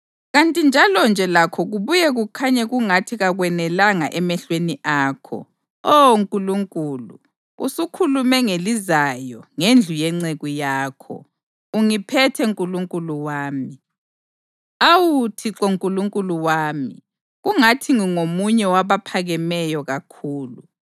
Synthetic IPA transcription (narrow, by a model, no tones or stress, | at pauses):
ɣantʼind͡ʒʱalɔnd͡ʒʱɛlakʰɔɣuβujɛɣukʰaɲɛɣuŋatʰiɣaɣwɛnɛlaŋaʔɛmɛɬweniʔaːkʰɔ̰ | ɔŋkʼuluŋkʼuːlṵ | ṵsukʰulumɛŋelizajɔŋend͡ɮʱujɛŋ͡ǀeɣujaːkʰɔ̰ | uŋipʰɛtʰɛŋkʼuluŋkʼuluwaːmi | awutʰiǁɔŋkʼuluŋkʼuluwaːmi | ɣuŋatʰiŋiŋomuɲɛwaβapʰaɣɛmɛjɔɣakʰuːlu